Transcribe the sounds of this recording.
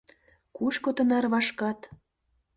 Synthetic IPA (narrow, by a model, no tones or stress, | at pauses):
kuʃkot̪ə̆nɑrβɑʃkɑt̪